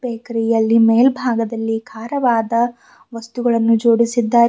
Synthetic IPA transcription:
beːkɐɾijɐlːimeːlbʱaːɡɐd̪ɐlːikʰaːɾɐʋaːd̪ɐ | ʋɐst̪uɡɐɭɐnːud͡ʒo̞ːɽisid̪ːaː

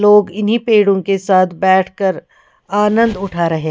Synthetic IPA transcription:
loːɡɪnɦipeːɽõkesaːt̪ʰbɛːʈʰkɐɾ | aːnə̃nd̪ʊʈʰaːɾɐɦeː

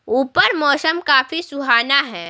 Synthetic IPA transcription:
uːpəɾmɔːsəmkaːfisʊɦaːnaɦɛː

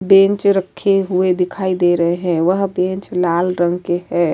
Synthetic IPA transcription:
bẽnt͡ʃɾəkʰːeɦued̪ɪkʰaːid̪eɾəɦeɦɛ̃ʋəɦbẽnt͡ʃlaːlɾə̃ŋɡkeɦɛ

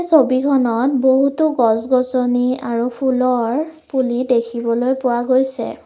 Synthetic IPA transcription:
sobikʰɔnɔt̚boɦutʊɡɔsɡɔsɔniaɹupʰulɔɹpulidekʰibɔlojpʊwaɡojsɛ̰

